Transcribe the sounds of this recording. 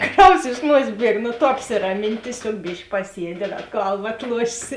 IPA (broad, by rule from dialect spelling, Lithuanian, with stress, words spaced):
ˈkrɐʊs ɪʃ ˈnuɔsʲeːs ˈbʲiɛk nʊ ˈtʊ ɐpʲsʲɪrɐˈmʲɪn tʲiɛˈsʲoːk ˈbʲɪʃk pɐˈsʲiɛdʲɪ ˈdɐ ˈɡɐlˠʋɐ ɐtˈlˠuɔʃʲeːsʲɪ